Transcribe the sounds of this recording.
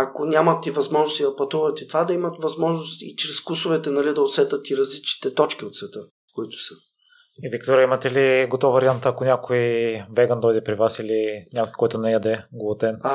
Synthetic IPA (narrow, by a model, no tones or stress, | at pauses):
akonʲamɐt̪ivɐzmɔʒnʊsid̪ɐpɐt̪uvɐt̪it̪vad̪ɐimɐt̪vɐzmɔʒnʊst̪ḭt͡ʃɾɛskusʊvɛt̪ɛnɐlid̪ɐosɛt̪ət̪iɾɐzlit͡ʃni̥t̪ɛt̪ɔt͡ʃkʲiot̪svɛt̪ɤ | koit̪ʊ̥sə̥ | ivikt̪oɾʲjəimɐt̪ɛliɡot̪ɔvɐɾiant̪əːkonʲakoivɛɡənd̪ɔjd̪ɛpɾivasiliɲʲakojkɔjt̪ʊnɛjad̪ɛɡolˠot̪ɛn